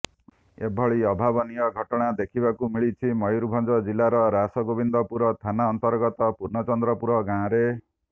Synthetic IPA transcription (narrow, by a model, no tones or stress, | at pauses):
ebʱɔɭiɔbʱabɔnijɔɡʱɔʈɔɽ̃ad̪ekʰibakumiɭit͡ʃʰimɔjjɾubʱɔnd͡ʒɔd͡ʒilaɾɔɾasɔɡobind̪ɔpuɾɔt̪ʰanaɔnt̪ɔɾɡɔt̪ɔpuɾnɔt͡ʃɔnd̪ɾɔpuɾɔɡãɔ̃ɾe